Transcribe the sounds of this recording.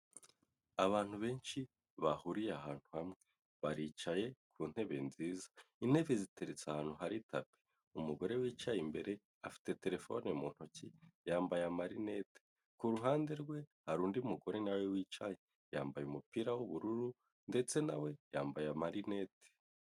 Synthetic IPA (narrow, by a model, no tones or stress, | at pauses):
aβaːn̥huβe̞ːnʃi | βahuɾijeahaːn̥huhamŋe̞ | βaɾiːt͡ʃaje̞kʰuːn̥he̞βe̞̰nziːzḁin̥e̞βezite̞ɾet͡sahaːn̥huɦaɾitʰape̥ | umuɡo̞ɾe̞wiːt͡ʃajimbe̞ɾe̞ | afi̥te̞te̞ɾe̞fo̰nemuːn̥hocijaːmbajamaɾine̞te̥ | kuɾuɦaːnde̞ɾɡwe̞haɾuːndiumuɡo̞ɾe̞nawewiːt͡ʃaje | jaːmbajumupiːɾawuβuɾuɾu | nde̞t͡se̞nawe̞jaːmbajamaɾine̞te̥